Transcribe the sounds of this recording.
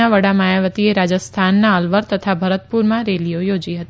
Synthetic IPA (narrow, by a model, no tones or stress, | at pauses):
aʋəɽamajaʋət̪ieɾad͡ʒəst̪ʰanːaəlʋəɾt̪ət̪ʰabʱəɾət̪̚puɾmãɾelijojod͡ʒiɦət̪i